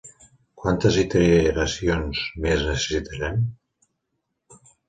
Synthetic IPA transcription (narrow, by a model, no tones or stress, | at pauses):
kwant̪əzit̪eɾɾasionzmeznəsə̥sit̪əɾɛm